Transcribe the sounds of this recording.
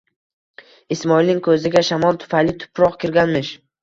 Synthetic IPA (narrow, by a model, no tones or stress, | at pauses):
ɪsmɒilnɪŋʲkʰɵzɪɡʲaʃamɒlˠt̪ʰʊ̥fajlɪt̪ʰʊ̥pʰɾɒqkʲɪɾɡʲanmɪʃ